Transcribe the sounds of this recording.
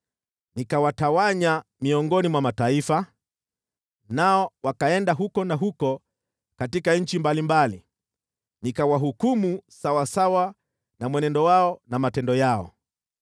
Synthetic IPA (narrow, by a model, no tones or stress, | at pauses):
nikawatawaɲamiɔŋɡɔnimwamataifa | naɔwakaɛndaɦukɔnaɦukɔ | katikaɲ̩t͡ʃimbalimbali | nikawaɦukumusawasawa | namwɛnɛndɔwaɔnamatɛndɔjaɔ̰